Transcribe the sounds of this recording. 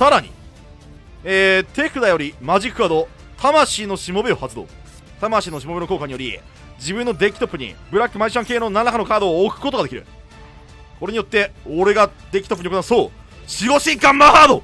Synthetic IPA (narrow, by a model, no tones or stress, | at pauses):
saɾaɲ̟ḭ | eːt̪e̞kɯ̟d̪ajo̞ɾʲimaʑikːɯ̟ad̪o̞ | t̪ʰamaɕiːno̞ɕimo̞beo̞hat͡sɨd̪o̞̰ː | t̪amaɕiːno̞ɕ̬imo̞be̞no̞ko̞ːkaɲ̟ijo̞ɾʲi | d͡ʑibɯ̟̃nːo̞d̪e̞kʲi̥t̪o̞pːɯ̟ɲ̟ḭbɯ̟ɾakːɯ̟maiɕãŋkeːno̞nanːakano̞kaːd̪o̞ːkɯ̟̥kot̪oɡad̪ekʲiɾɯ̟̰ | ko̞ɾe̞ɲ̟ijot̪ːe̞oɾe̞ɡad̪ekʲi̥t̪opːɯ̟iokonasoːɕiɡo̞ɕĩŋkãmːahaːd̪o̞